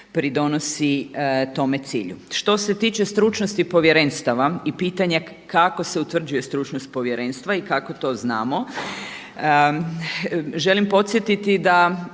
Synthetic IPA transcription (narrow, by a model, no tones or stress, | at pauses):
pɾid̪o̞nosit̪o̞me̞t̪sḭːʎṵʃt̪o̞se̞t̪iːt͡ʃe̞st̪ɾuːt͡ʃnost̪ipo̞ʋje̞ɾenst̪aʋaipiːt̪aɲa | kako̞seut̪ʋr̩d͡ʑuje̞st̪ɾuːt͡ʃnost̪̚po̞ʋje̞ɾeːnst̪ʋaikakot̪o̞ːznaːmo̞ | ʒe̞limpo̞t̪sjet̪it̪id̪a